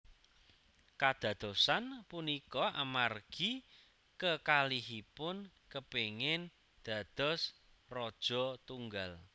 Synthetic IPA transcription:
kad̪̥ä̤d̪̥ɔ̤sanpunikɔʔamarɡ̥i̤ | kəkaliɦipʊn | kəpeŋɪn | d̪̥ä̤d̪̥ɔ̤s | rɔd̥ʒ̥ɔ̤t̪uŋɡal

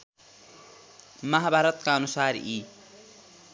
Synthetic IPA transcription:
mʌɦabʱaɾʌt̪kaʌnusari

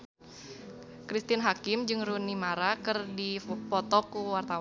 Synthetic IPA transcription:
kɾist̪ɪnɦakɪmd͡ʒɨŋrunimaɾakɨrdipɔt̪ɔkuwart̪aw

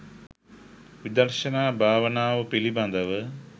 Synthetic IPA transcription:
ʋid̪ɐɾʃɐnaːbʱaːʋɐnaːʋɐpilibɐnd̪ɐʋɨ

